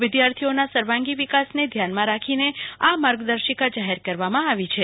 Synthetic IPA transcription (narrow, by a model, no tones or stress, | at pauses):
ʋɪd̪jaɾt̪ʰionasəɾʋãŋɡiʋikasned̪ʱjanmãɾakʰineamaɾɡd̪əɾʃikad͡ʒaɦeɾkəɾʋamãaʋit͡ʃʰe